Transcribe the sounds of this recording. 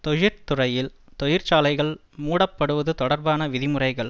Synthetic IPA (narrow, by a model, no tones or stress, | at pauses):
t̪ɔjɪɾt̪ʊrɐjɪlt̪ɔjɪɾt͡ʃaːlɐɪɣɐɭ | muːɽɐpːɐɽɯʋɐðɯt̪ɔɽɐɾbaːnɐʋɪðɪmɯrɐɪɣɐɭ